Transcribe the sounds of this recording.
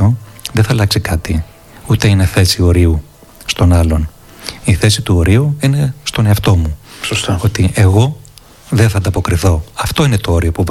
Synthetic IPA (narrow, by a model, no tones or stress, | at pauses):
oðeθɐlɐksikɐt̪i | ut̪e̞ine̞θe̞sio̞ɾiu | st̪o̞nɐlo̞n | iθe̞sit̪uo̞ɾiuine̞st̪o̞ne̞ɐft̪o̞musost̪o̞t̪iʔe̞ɣo̞ | ðenθɐnd̪ɐpo̞kɾiθo̞ɐft̪o̞ine̞t̪o̞o̞ɾio̞puv